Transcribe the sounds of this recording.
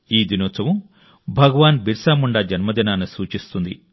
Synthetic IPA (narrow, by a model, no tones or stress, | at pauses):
iːd̪inɔːt͡sɐʋu | bʱɐɡɐʋaːnbʱiɾsaːmuɳɖad͡ʒɐnmɐd̪inaːnusuːt͡ʃist̪und̪ḭ